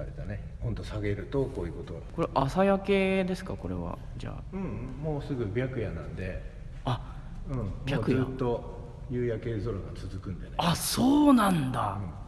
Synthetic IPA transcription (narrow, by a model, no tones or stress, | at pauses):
aɾet̪ane̞ | hõnt̪o̞saɡe̞ɾɯ̟t̪o̞koːjɯ̟ːko̞t̪oko̞ɾeʔasajake̞ːd̪e̞sɨ̥kako̞ɾe̞̰βa̰ | d͡ʑa̰ːɯ̟̃ɴ̃moːsɨɡɯ̟bʲjakɯ̟janã̰nd̪e̞ | a | ɯ̟̃ɴmbʲjaːkɯjzɨaːt̪ːo̞ | jɯːjake̞zoɾoɡat͡sɨzɨkɯ̟̃nd̪eneaso̞ːnãnd̪aɯ̟̃ɴ